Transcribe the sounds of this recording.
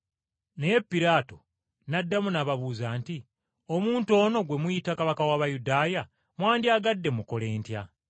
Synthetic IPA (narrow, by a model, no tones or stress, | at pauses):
ne̞je̞pːiɾaːto̞ | nadːamunaβaβuːzaːnti | o̞muːnto̞ːno̞ɡwe̞mujitakaβakawaːβajudaːja | mwaːndiaːɡadːe̞muko̞le̞ːntja̰